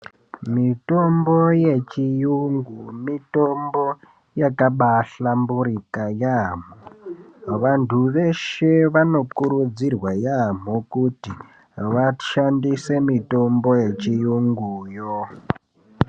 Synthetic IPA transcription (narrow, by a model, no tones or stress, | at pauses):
mito̞mbo̞je̞t͡ʃijuŋɡumitombo̞ | jakaɓaɬambuɾikajam̤o | ʋantʰuʋe̞ʃe̞ʋano̞kuɾud͡zirwajam̤okuti | ʋaʃandise̞mito̞mbo̞je̞t͡ʃijuŋɡujo